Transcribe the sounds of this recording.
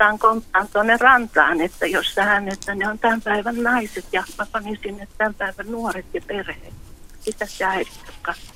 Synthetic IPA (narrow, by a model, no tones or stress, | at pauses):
ɑːŋkompːɑːnt̪uonːerɑnt̪ɑ̰ːnet̪ːæjossæhænet̪ːæneont̪æmpæiʋænnɑiset̪jɑmɑpɑnisinːet̪t̪æmpæiʋænnuoret̪jɑperhḛːt̪sit̪æsjɑirit̪jok̪kɑ